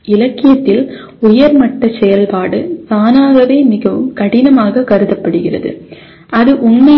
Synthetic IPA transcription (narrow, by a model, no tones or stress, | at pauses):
ɪlɐkːɪjɐt̪ːɪl | ʊjɐɾmɐʈːɐsɛjɐlpaːɽɯsaːnaːɣɐʋeːmɪɣɐʋɯmkɐɽɪnɐmaːɣɐkɐɾɯðɐpːɐɽɯɣɪrɐ̰ðɯ̰ | ʔɐðɯʔʊnmɐ